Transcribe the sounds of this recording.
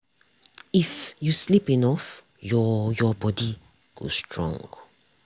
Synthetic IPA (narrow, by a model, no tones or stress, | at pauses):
ifjuslipĩnɔf | jɔjɔbɔdi | ɡ̥o̰stʰɹɔ̰̃ŋ